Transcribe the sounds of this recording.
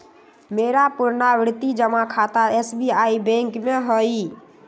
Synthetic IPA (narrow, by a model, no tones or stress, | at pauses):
meɾapuɾnaʋɾt̪id͡ʒəmakʰat̪aesbiaibɛ̃ŋkmeɦɔi